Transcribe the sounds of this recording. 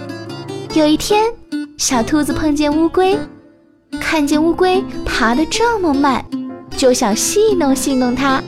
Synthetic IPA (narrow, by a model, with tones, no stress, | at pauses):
jo˨˩ʊi˥˩t̪ʰjɛ˥nɕjɑ˨˩ʊt̪ʰu˥d͡zɹ̩˨˧pʰɤ˥˧ŋt͡ɕjɛ˥˧nu˥kwe˥ɪ | kʰa˥˧nt͡ɕjɛ˥˧nu˥kwe˥ɪpʰa˧˥d̪ə˨ʈ͡ʂɤ˥˩mə˨ma̰˥˩nt͡ɕjo˥˩ʊɕjɑ˨˩ŋɕi˥˧nʊ˥˧ŋɕi˥˧nnʊ˥˩ŋt̪ʰa˥